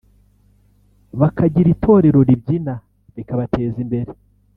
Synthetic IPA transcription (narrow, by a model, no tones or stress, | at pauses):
βakaɟiɾitʰo̞ːɾe̞ɾo̞ɾibɟina | βikaβatʰe̞ːzimbe̞ɾe